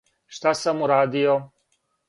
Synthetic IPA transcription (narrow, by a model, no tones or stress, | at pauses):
ʃt̪asamuɾaːd̪ijo